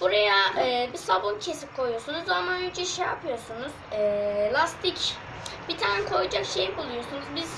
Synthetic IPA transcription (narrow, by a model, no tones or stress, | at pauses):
buɾajaɛːbisabuncʰe̞sip̚kʰo̞jujosunuzamajyd͡ʒɛʃejapʰɯjo̞ɾsunuz̥ɛːlʲˠast̪ʰic | bit̪ʰaːnɛkʰo̞jud͡ʒakʃejibulˠujosunuzbiz̥